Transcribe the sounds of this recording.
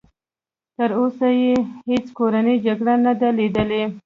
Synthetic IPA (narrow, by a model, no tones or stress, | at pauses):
t̪əɾosajehet͡skoɾanəd͡ʒaɡɽanad̪alid̪əle